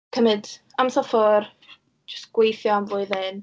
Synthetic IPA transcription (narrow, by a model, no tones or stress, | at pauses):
kʰəmɨd | amsɛlˠfɔr | d͡ʒə̥stɡ̥wejθjɔamvʊːɨðɪn